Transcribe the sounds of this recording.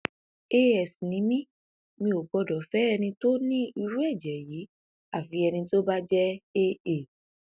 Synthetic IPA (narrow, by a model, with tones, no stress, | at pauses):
e˦ɛ˨snĩ˨˦mĩ˦ | mĩ˧o˨ɡ͡bɔ˧dɔ˨˦fɛ˦ɛ˧nĩ˧to˦nĩ˦i˧ɾu˦ɛ˦˨d͡ʒɛ˨jiː˨˦ | a˦˨fi˨˧˦ɛ˧nĩ˧to˦ba˦d͡ʒɛ˦e˦e˦˨